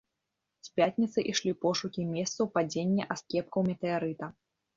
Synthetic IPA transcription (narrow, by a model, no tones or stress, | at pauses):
sʲpʲat̪ʲnʲit̪sɨʔiʂlʲipɔʂukʲimʲɛst̪sɐwpad͡zʲenʲːɛʔaskʲɛp̚kɐwmʲɛt̪ɛaɾɨt̪ɐ